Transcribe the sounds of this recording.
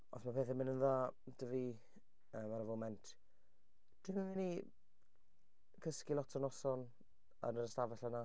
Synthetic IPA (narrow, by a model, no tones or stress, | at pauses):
ɔ̰smapʰeːθɛmɪnənða | d̥əvi | əːmaɾəvomɛntʰ | d̥ɪmənvɪni | kʰəskilˠɔtʰɔnɔsɔn | ə̰nəɾəstavɛɬɛna